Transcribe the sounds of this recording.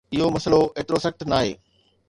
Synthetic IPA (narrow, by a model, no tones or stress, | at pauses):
ɪɦomɐsəloeːt̪ɪɾosɐkʈ̪naːɦḛː